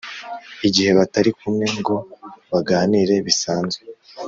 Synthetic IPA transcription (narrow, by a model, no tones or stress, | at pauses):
iɟihe̞βataɾikumŋe̞ŋɡo̞βaɡaːniɾe̞βisaːnzwe